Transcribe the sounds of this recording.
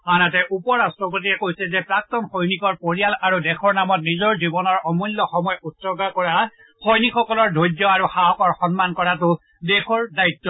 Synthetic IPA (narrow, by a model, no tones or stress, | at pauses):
anatɛʔupɔɹastɹɔp̬ot̬iɛkojsɛzɛpɹak̚tɔnxojnikɔɹpoɹijalaɹudɛxʰɔɹnamɔt̚nizɔɹzibɔnɔɹɔmɔjlːɔxɔmɔjɔʔutsɔɡakɔɹa | xojnikxɔkɔlɔɹdʱojdɔaɹuxaɔkɔɹxɔnmankɔɹatʊ | dɛxɔɹdaitːɔ